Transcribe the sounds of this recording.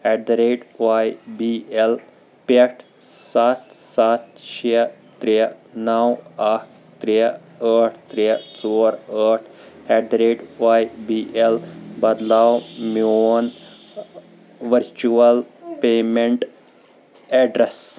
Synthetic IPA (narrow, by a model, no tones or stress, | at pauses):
ɛɖɾeːɖʋajbiel | peʈ | sat̪sat̪ʃit̪ɾinawaʈ | t̪ɾi | əʈt̪ɾit͡soːɾəʈʰɛɖɾeːɖʋajbiːʔelbɐd̪laːwmiooːn | ʋɐɾt͡ʃuɐlpeːmeɳʈ | ɛɖɾes